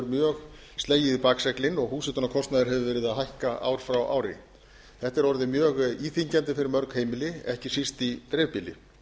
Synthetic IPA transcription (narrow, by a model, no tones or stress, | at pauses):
ɾmjœːɣ | st̪leːjɪðpaːksɛklɪnɔɣhuːsɛt̪ʏnakʰɔst̪naðɪɾ̥ɦɛvʏvɛːɾɪðaðɦajhkaa̰ːwɾ̥fɾawʔa̰ːwɾɪ̰ | θɛht̪ɛɾɔɾðɪmjœːɣiːθiɲcant̪ɪfɪɾɪɾmœɾkheːjmɪlɪɛhcɪsist̪it̪ɾɛːvpilɪ̰